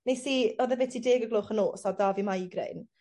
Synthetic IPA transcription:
nesiːɔðɛvɛtʰideːɡəɡlˠoːχənoːsadaːvimajɡrɛ̰n

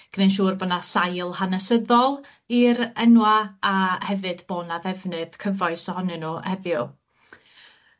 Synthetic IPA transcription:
ɡ̥ənejnʃ̬uːrbɔnasajlˠhanəsəðɔlˠ | iɾɛnwaahɛvɨd̥boːnaðɛvnɨðkʰəvɔɨsɔhɔnɨnuhɛðjʊ

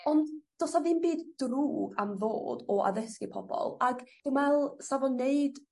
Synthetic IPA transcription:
ɔndd̥ɔsaðɪmbiːdd̥ruːɡamðo̰ːdɔʔa̰ðəskɪpʰɔbɔ̰lˠaɡd̥ɪmɛlˠsavɔneɨd

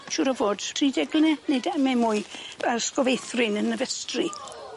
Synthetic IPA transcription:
ʃʊɾəvoːd̥tʰridɛɡlnɛnedɛmɛmuɨaskɔvejθrɪnənəvɛstri

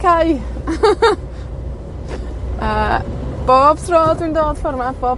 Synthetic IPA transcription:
kʰaj | ʔəːb̥oːb̥̚tʰroːdwindoːd̥fɔrmaθb̥oːb

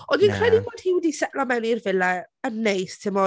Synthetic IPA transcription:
ɔndinkʰr̥ɛdiboːd̥hiwɪdisɛʔlamɛnirvɪlaənːejstʰɪmɔ

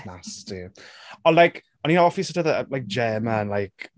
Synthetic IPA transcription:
nastiɔlajk | ɔninowɔfisətəðəəlajk̚d̥d͡ʒɛːməənlajk

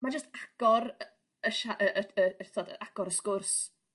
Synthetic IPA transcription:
mad͡ʒəstaɡ̥ɔɾ | əʃaʔəʔəəɛrθɔdəʔaɡ̥ɔɾəskʊrs

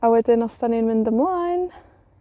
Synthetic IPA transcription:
awɛdɪnɔstʰaninmɪndəmlˠajn

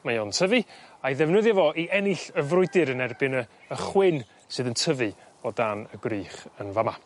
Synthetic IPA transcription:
majɔntʰəvɨaiðɛvnəðjavɔʔiʔɛnɪɬəvrʊɨdɨɾənɛrbɨnə | əχwɪn | sɨːðəntʰəvɨ | ɔdanəɡriːχənvama

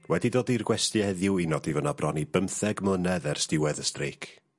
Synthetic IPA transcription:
wɛdidoːdirɡwɛstɨɛðjʊwinɔdivənabrɔnibəmθɛɡmlˠənɛðɛrstɪwɛðəstreːkʰ

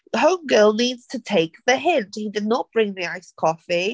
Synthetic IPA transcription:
hõʊ̃mɡɜːlˠniːdz̥tʰətʰeɪk̚ðəɦɪ̃ndhidɨdⁿnəʔ̚b̥ɹɪ̃ŋðiaɪskʰɒfi

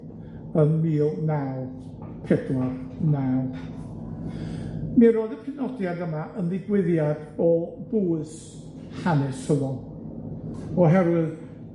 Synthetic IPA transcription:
ənmiːlˠnawð | pʰɛdwarnað | miɾoːðəpʰɨnɔdjadəmaʔəndɪɡwɪðjad | ɔb̥uːɨs | hanɛshəvɔ | ɔɦɛɾwɨð

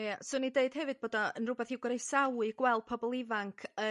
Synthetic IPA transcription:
jasʊnideɨd̥hɛvɨd̚b̥oːdɔənrʊbɛθiwɡɔɾejsawɨɡ̥wɛlˠd̥̚pʰɔbɔlˠɪvaŋkʰə

